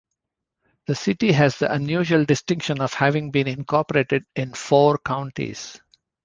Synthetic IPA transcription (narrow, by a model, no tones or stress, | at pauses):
d̪̥əsɪʈiɦæzd̪iʔə̃njuːʒəlɖɪsʈɪ̃ŋkʃə̃nɔʋhæʋɪ̃ŋbĩːnɪ̃nkʰɔːɾpəɾeːʈeɖɪ̃nfoːɾkãʊ̃ɳʈḭz̥